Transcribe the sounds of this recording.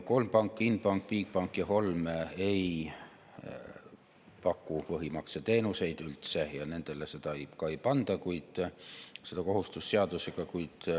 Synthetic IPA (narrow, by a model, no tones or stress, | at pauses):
ko̞lmpɑŋkːˑinpɑŋkpiːk̚pɑŋkːjɑho̞lmejj | pɑkːupɤɦimɑkset̪e̞ːnuse̞jd̪̥ylt̪sejɑne̞nd̪̥e̞leset̪ɑjkɑipɑnd̪̥ɑkuid̪̥ | sed̪̥ɑko̞hust̪usːeɑd̪useɡ̥ɑkujd̪̥